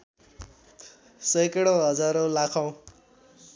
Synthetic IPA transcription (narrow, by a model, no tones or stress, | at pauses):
sʌjkeɽoɦʌd͡zaɾolakʰaw̃